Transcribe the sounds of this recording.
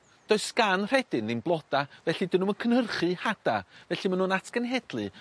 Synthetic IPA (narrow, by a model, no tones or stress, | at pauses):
d̥ɔɨskanr̥ɛdɨnːɪnblˠɔd̥avɛɬidɪnuməkʰənərχɨhad̥avɛɬimanuːnatʰɡ̥ənɦɛd̥lˠɨ